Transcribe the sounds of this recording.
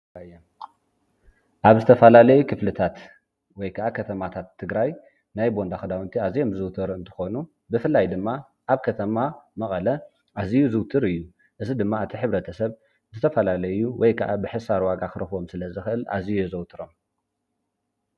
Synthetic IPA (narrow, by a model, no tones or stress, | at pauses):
jom | ʔaβzɨt̪ʰɐfɐlalɐjukʰɨflɨt̪ʰat̪ | wɔjkʰɐʔakʰɐt̪ʰɐmat̪ʰat̪ʰːɨɡɾaj | najbond̪axɨd̪awnt̪ʰiazijo̞mzɨwt̪ʰɨɾɨnt̪ʰɨ̥xo̞nu | bɨfɨlːajd̪ɨmːa | ʔaβkʰɐt̪ʰɐmamɐχʼɐlɐ | ʔazijuzɨwt̪ʰɨɾɨjːu | ʔɨzid̪ɨmːaɨt̪ʰiħɨβɾɐt̪ʰɐsɐβ | zɨt̪ʰɐfɐlalɐjuwɔjkʰɐʔabɨħɨsaɾwaɡakɨɾɨxwo̞msɨlɐzɨxɨʔɨla̰zijuzɐwt̪ʰɨɾo̞m